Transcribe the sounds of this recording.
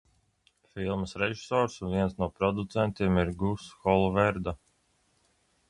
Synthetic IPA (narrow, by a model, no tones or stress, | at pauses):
filˠməsɾeʒi̥sɔːɾsunviɛnsnuɔpɾɔd̪ut̪sɛnt̪iɛmiɾɡusxɔlˠɔvɛɾd̪a